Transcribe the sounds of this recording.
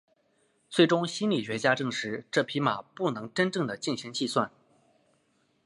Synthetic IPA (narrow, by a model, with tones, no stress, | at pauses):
t͡swe˥˩ɪʈ͡ʂʊ˥ŋɕi˥nli˨˩ɕɥɛ˧˥t͡ɕja˥ʈ͡ʂɤ˥˩ŋʂɻ̩˧˥ʈ͡ʂɤ˥˩pʰi˧˥ma˨˩pu˥˩nɤ˧˥ŋʈ͡ʂə˥nʈ͡ʂɤ˥˩ŋd̪ə˩t͡ɕi˥˩ŋɕi˧˥ŋt͡ɕi˥˧swa˥˩n